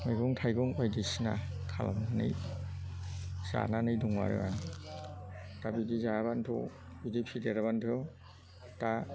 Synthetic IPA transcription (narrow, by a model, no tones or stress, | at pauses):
majɡɔŋtʰajɡɔŋpajdisina̰kʰala̰manɯ̰j | z̥a̰nanɯjduŋwa̰ɾɯ̰a | tabidizaabantʰɔ̰ | bidipʰideɾaβantʰo | ta